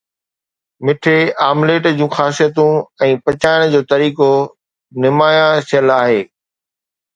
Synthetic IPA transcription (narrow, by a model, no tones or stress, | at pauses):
mɪʈʰeaːmleːʈd͡ʑũːxaːsijət̪ũɛ̃ːpɐt͡ɕaːɪɽ̃d͡ʑoːt̪ɐɾiːko | nɪmaːjãʃʰɪjəlaːɦeː